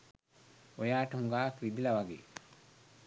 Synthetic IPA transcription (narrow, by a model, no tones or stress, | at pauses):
ojaːʈɐhuŋɡaːkɾid̪ilɐʋaɡḛː